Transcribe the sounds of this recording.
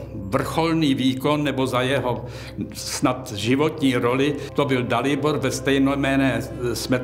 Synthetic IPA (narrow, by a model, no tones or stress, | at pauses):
vr̩xolniːviːkonːɛbo̞zajɛɦo | snat̪ʒɪvot̪ɲiːɾolɪt̪obɪldalɪboɾvɛst̪ɛjnojmɛːnɛːsmɛ